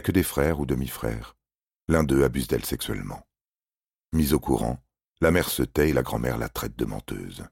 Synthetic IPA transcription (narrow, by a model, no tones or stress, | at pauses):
kəd̪efχɛʁud̪əmifχɛ̰ːʁ | lɛ̃d̪øabyzd̪ɛlsɛksɥɛ̰lmɑ̰̃ | mizokuʁɑ̰̃ | lamɛʁsət̪ɛelaɡʁɑ̃mɛ̰ʁla̰t̪χɛt̪̚d̪əmɑ̃t̪ø̰ːz